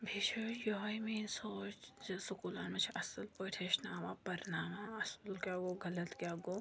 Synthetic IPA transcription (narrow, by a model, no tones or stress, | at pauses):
bʱit͡ʃʰoːjoɦaimiːnsoːt͡ʃsʊkuːlaːnmẽt͡ʃʰiʔɐsəlpoːjʈ̪ʰeʃnaːmapɐɾnaːmaɐsəlkʲjaːɡoːɡɐlɐt̪kʲjaːɡoː